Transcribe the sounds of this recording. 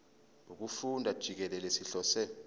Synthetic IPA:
uk̬ufundʱad̥ʒ̥ʱik̬ɛlɛlesiɬɔsɛ

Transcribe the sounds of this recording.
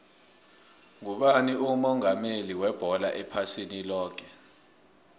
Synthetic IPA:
ŋuɓaniumɔŋameliwɛb̥ʱɔla̰ʔɛpʰasinilɔːk̬ʰɛ

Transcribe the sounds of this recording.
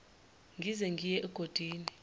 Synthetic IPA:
ŋɡʱizɛŋɡʱijɛʔɛɡ̥ʱod̥ʱiːni

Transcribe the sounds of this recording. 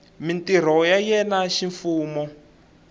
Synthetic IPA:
mintiɾ̤ɔjajɛnaʃiɱfuːmɔ

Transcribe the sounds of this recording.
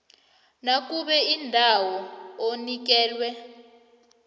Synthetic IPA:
nak̬ʼuɓɛindʱawɔonik̬ɛːlwɛ

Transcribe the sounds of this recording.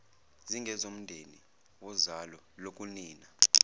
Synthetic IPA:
ziŋɡʱɛzom̩ndʱeni | wɔzalɔ | lok̬ʼuniːna

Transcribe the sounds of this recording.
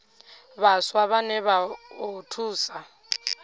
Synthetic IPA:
βaswaβanɛβaotʰuːsa

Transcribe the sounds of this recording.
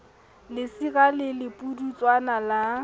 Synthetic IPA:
lɪsiɣalɪlɪpʼudut͡sʼwanala

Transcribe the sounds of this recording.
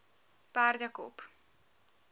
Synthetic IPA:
paːrɟɒko̰p

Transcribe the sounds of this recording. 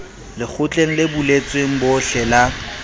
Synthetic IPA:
lɪk͡xʰʊt͡ɬʼeŋ̩lɪbulet͡sʼweŋ̩bʊɬɛla

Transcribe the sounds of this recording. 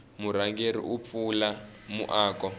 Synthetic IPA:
muɾaŋɡeɾḭʔup̪fulamuʔaːkɔ

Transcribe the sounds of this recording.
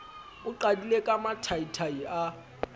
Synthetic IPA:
ʊǃadilekʼamatʰaitʰaia

